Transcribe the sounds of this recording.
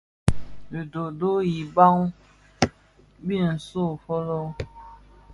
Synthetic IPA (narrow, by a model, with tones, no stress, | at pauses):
li˨do˨do˦ji˨ba˦ŋ˦ | bi˦˨n̩˨so˦˨fɔ˦lɔ˦